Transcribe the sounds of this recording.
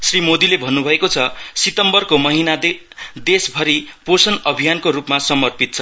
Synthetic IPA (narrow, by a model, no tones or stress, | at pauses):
srimod̪ilebʱʌnːubʱʌekot͡sʰʌsit̪ʌmbʌrkomʌɦinad̪ | d̪esbʱʌɾiposʌnʌbʱijankoɾupmasʌmʌrpit̪̚t͡sʰʌ